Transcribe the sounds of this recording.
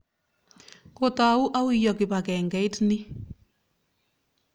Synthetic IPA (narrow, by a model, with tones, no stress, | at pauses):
ko˨ta˨u˦ʔa˦wi˦jɔ˨kɪ˨pa˨kɛ˨ŋɡɛ˨˦ɪ˦tnɪ˦